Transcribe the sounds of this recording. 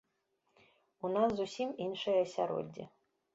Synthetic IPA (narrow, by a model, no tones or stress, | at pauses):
unaszusʲiminʂɐjɐɐsʲa̰ɾo̰dʲːḭ